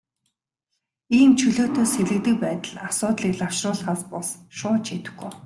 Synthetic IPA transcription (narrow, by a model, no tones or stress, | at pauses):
iːnt͡ɕʰɵɮoːt̪ʰoːsxeɮɘ̆k̚t̪ɘ̆k̚pæːt̪ə̆ɮasʊːt̪ɮiːkɮaw̥ʃrʊːɮχaːspɔsʃʊːt͡ɕʰet̪ɘ̆ɡɡuj